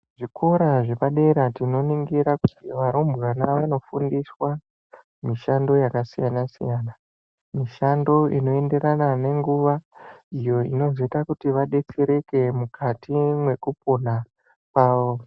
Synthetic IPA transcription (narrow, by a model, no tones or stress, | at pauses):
ʐikʰo̞ɾaʐepaɗe̞ɾatino̞niŋɡiɾakutiʋaɾumbwanaʋaano̞fundiswa | miʃando̞jakasijanasḭjaːna | miʃando̞ino̞e̞nde̞ɾanane̞ŋɡuʋaijo̞ḭno̞zetakutiʋaɗe̞t͡se̞ɾe̞ke̞mukʰatimwe̞kupona | paːʋo̞